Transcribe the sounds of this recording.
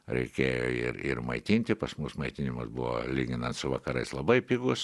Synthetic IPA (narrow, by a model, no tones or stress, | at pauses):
ɾʲɛ̰ɪkʲeːjo̰ːɪ̰ɾɪ̰ɾmɐɪt̪ʲinʲt̪ʲɪpɐsmusmɐɪt̪ʲɪnʲɪmʊsbʊʋo̰lʲiːɡʲɪnɐnt̪sʊʋɐkɐɾɐɪslˠɐbɐɪpʲiːɡʊs